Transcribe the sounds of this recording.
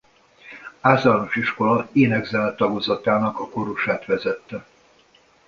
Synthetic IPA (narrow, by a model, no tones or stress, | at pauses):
aːzɔnoʃiʃko̞lɒeːnɛɡzɛlɛt̪ːɒɡozɒt̪aːnɒkɒko̞ɾuʃaːt̪ʋɛzɛt̪ːɛ